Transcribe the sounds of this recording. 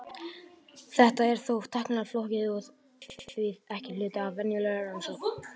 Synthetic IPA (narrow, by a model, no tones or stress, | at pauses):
θɛht̪aɛɾ̥θowt̪ʰahknaɾflohcɪðuð | vɪðɛhcɪlʏːt̪aːvːɛnjʏlɛɣaansok